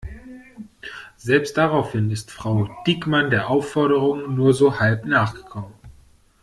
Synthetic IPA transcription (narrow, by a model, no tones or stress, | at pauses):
z̥ɛlpst̚d̥aʁaʊfhɪnɪstfʁ̥aʊd̥ɪkmandeːɐʔaʊfɔɐɾəʁ̞ʊŋnuːɐzoːhalpnaːχɡ̥ə̥kʰɔmən